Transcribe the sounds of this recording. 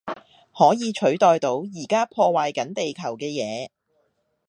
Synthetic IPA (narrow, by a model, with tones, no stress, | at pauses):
hɔː˨˥jiː˨˧t͡ʃʰɵ˨˥ɥt̪ɔː˨jt̪o˨˥wjiː˨˩kaː˥pʰɔː˧waː˨jkɐ˨˥nt̪e˨jkʰɐ˨˩wkɛː˧jɛː˨˧